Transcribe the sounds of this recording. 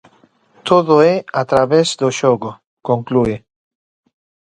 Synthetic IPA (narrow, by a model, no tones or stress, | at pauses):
t̪oðoeat̪ɾaβezd̪oʃoɣo | koŋklue